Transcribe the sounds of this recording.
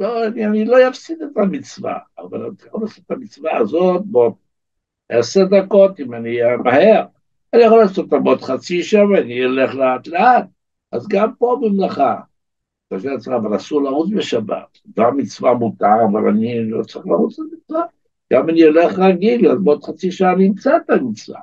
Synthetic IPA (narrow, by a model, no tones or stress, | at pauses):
loanianilojafsid̪et̪amit͡sva̰ːva̰la̰naχolaːsotamit͡svaːzo̞t̪̚bot̚ | eseʁd̪ako̞timanimahe̞ʁ | anijaχolaːso̞t̪ːamo̞t̪χat͡siʃamveaniole̞χleat̪leat̪̚ | azɡampo̞bimlaχa | kaʃet͡saːvalasuʁlaʁut͡sbeʃaba̰tɡamːit͡svamut̪aavala̰nilot͡saʁiχlaʁut͡slemit͡sva | ɡ̥amaniole̞χʁaɡilazbot̪χat͡siʃaaniimt͡saet̪amit͡sva̰